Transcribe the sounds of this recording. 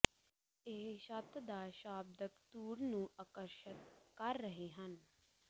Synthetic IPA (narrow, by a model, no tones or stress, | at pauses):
eɦʃət̪d̪aːʃaːb̚d̪əkt̪uːɾnũːʔakəɾʃət̪̚kəɾːəɦeɦən